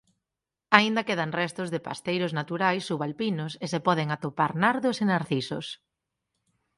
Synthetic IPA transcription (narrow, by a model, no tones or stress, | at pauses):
aind̪akeðaŋrɛst̪ʊzðepa̰st̪ejɾʊznat̪uɾajsːuβalpinʊsesepɔðɪŋat̪opaɾnaɾðʊsenaɾθisʊs